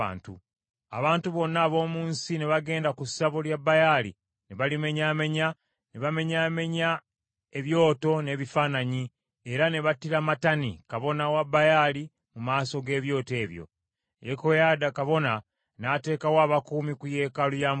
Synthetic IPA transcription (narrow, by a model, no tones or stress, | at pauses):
a̰ːntu | a̰βaːntuβo̞nːaːβo̞ːmuːnsineβaɡe̞ːndakusaβoljabːajalḭ | neβalime̞ɲaːme̞ɲa | neβame̞ɲaːme̞ɲa | e̞βjo̞ːto̞ne̞ːβifaːnaɲi | e̞ɾaneβatiɾamatanḭkaβo̞nawabajali | mumaːso̞ɡe̞ːβjo̞ːte̞ːβjo̰ | jekojaːdakaβo̞na | naːte̞ːkawaːβakuːmikuje̞ːkalujam